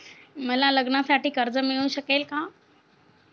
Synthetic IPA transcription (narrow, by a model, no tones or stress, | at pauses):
məlaləɡnasaʈiːkəɾd͡zəmiɭũːɕəkelka